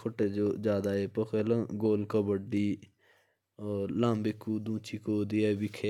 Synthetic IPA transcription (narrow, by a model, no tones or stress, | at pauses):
kʰʊʈeːod͡ʒaːd̪aːeːpəxeːlə̃ɡoːlkəbəɖiː | oːɾlãːmbɪkːuːd̪ũːt͡ʃʰiːkoːd̪iebɪkʰe